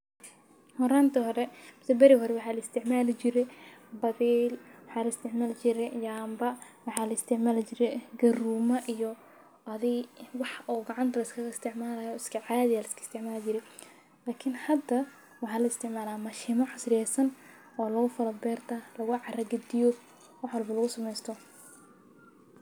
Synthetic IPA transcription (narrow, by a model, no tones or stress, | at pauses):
hɔɾaːnt̪ʰɐɦɔɾɛmɐsɛbɐɾɪɦɔɾɛwɑħɑːlɐɪst̪ʰɪʕmaːlɪt͡ʃɪɾɛbɐðiːlwɑħɑːlɐɪst̪ʰɪʕmaːlt͡ʃɪɾɛjaːmbɐwɑħɑːlɐɪst̪ʰɪʕmaːlt͡ʃɪɾɛɡɐruːmɐʔijɔ | ʔɐðɪwɑħɔːɡɑʕɑnt̪ʰɐlɐskʰɐɣɪst̪ʰɪʕmaːlaːjɔːɪskʰɐʕaːðɪjaːlɐɪskʰɐ̥ɪst̪ʰɪʕmaːlɪt͡ʃɪɾɛ | laːkʰɪnhɐd̪ɐ | wɑħɑːlɐɪst̪ʰɪʕmaːlaːmɐʃɪmɐʕɑsrjɛːsɐn | ɔːlɐɣʊfɐlɐbɛːrt̪ʰɐlɐɣʊʕɑrɐɡɐd̪ɪjɔ | wɑħwɐlbɐlɐɣʊsɐmɛjst̪ʰɔ